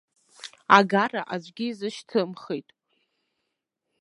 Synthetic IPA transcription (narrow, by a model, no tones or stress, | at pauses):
aɡaraʔazʷɡʲiizɨʃtʰɨmχejtʼ